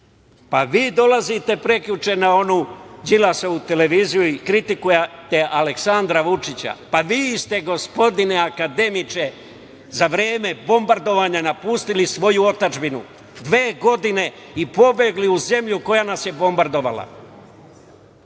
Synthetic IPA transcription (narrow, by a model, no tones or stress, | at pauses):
paʋiːd̪o̞lazit̪e̞pɾe̞kʎut͡ʃe̞nao̞nud͡ʑilasout̪e̞le̞ʋiːzijuikɾit̪ikujet̪e̞ʔale̞ksand̪ɾaʋut͡ʃit͡ɕa̰paʋiːst̪e̞ɡo̞spo̞d̪ineakad̪e̞mit͡ʃe̞ | zaʋɾeːme̞bo̞mbaɾd̪o̞ʋaːɲainapuːst̪ilisʋo̞juo̞t̪ad͡ʒbinṵ | d̪ʋe̞ːɡo̞d̪ine̞ | ipo̞beɡliuze̞mʎuko̞janasje̞bo̞mbaɾd̪o̞ʋa̰la̰